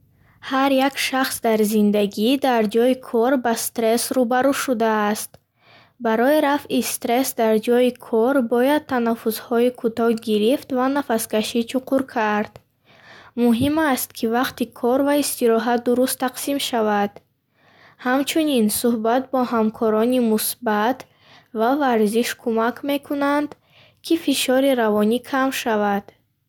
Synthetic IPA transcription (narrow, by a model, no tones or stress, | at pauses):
haɾjakʃaχsd̪aɾzind̪aɡid̪aɾd͡ʒɔikʰɔɾbast̪ɾe̞sɾubaɾuʃud̪aːst̪ | baɾɔiɾafist̪ɾe̞sd̪aɾd͡ʒɔikʰɔɾbɔjad̪̚t̪ʰanafuzhɔikʰut̪ɔhɡiɾift̪vanafaskaʃit͡ʃʰuqʰuɾkʰaɾd̪̥ | muɦimast̪̚kʰivaqt̪ikʰɔɾvaist̪iɾɔɦat̪̚d̪uɾust̪ʰːaqsimʃavad̪̥ | hamt͡ʃʰuninsuhbat̪bɔhamkʰɔɾɔnimusbat̪ | vavaɾziʃkʰumakʰme̞kʰunand̪ | kʰifiʃɔɾiɾavɔnikʰamʃavad̪̥